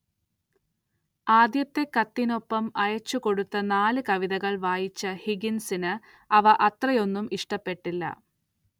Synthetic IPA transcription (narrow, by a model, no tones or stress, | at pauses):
aːd̪jɐt̪ːe̞kɐt̪ːino̞pːɐmɐjɐt͡ɕːuko̞ɽut̪ːɐnaːlɨkɐʋiðɐɣɐɭʋaːjit͡ɕːɐhiɡinsinɨ | ɐʋɐʔɐt̪rɐjo̞nːumiʂʈɐpːe̞ʈːilːɐ̰